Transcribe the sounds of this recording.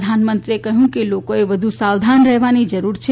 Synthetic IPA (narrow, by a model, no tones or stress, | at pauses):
d̪ʱanmənt̪ɾiekəɦjũkelokoeʋəd̪ʱusawd̪ʱanɾəɦʋanid͡ʒəɾuɾt͡ʃʰe